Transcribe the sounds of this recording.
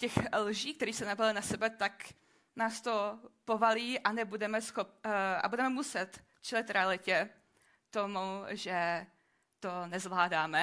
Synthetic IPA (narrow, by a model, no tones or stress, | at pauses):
cɛxlʒiːk̚t̪ɛɾiːsɛnabɪlɪnasɛbɛt̪ak | naːst̪o̞povaliːʔanɛbudɛmɛsxop̚a̰budɛmɛmusɛt̪ | t͡ʃɛlɪt̪ɾɛalɪcɛ | t̪omuʒɛ | t̪onɛzvlaːdaːmɛ